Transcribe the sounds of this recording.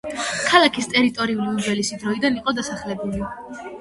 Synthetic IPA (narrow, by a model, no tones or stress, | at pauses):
kʰalakʰist̪ʼɛɾit̪ʼɔɾiuliud͡ʒɛlisid̪ɾɔid̪aniqʼɔd̪asaχlɛbuli